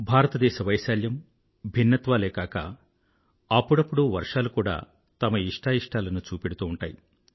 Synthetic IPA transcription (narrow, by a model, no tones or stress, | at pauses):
bʱaːɾɐt̪ɐd̪ɛːʃɐʋɐjʃaːljɐm | bʱinːɐt̪ʋaːleːkaːkɐ̰ | ɐpːuɽɐpːuɽuʋɐɾʂaːlukuːɽa̰ː | t̪ɐmɐiʂʈaːiʂʈaːlɐnut͡ʃuːpeɽut̪uːuɳʈa̰ːji